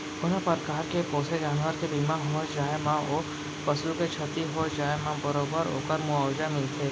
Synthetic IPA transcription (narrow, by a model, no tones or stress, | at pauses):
ʊnə̃pəɾkaːɾkepoːsed͡ʒaːnʋəɾkebiːmãɦɐməd͡ʒaːemão | pɐslũket͡ʃʰɐt̪iɦod͡ʒaːemãbəɾoːbəɾo̰ːkəɾmʊaːwd͡ʒamɪlt̪ʰeː